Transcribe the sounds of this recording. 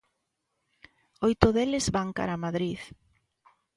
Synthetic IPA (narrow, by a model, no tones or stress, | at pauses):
ojt̪ʊðelɪzβaŋka̰ɾamaðɾið